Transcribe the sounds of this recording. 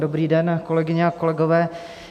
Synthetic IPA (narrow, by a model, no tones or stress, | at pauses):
dobɾiːdɛnko̞lɛɡɪɲɛakolɛɡovɛː